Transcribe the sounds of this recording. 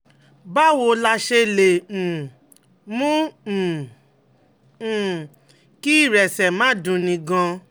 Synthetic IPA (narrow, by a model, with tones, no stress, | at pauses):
ba˦wo˧˦la˧ʃe˧lẽ˨ | mũ˦˨ | ki˦i˦˨ɾɛ˨sɛ˨mã˨˦˨dũ˧nĩ˧ɡã˧